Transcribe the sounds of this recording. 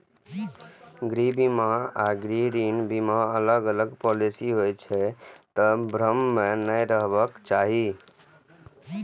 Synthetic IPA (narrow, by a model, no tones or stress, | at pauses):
ɡɾibimaaɡɾiɾinbimaələɡələɡpɔlisiɦojt͡ʃʰɛt̪ɔbʱɾəmːenəjɾəɦbəkt͡ʃaɦi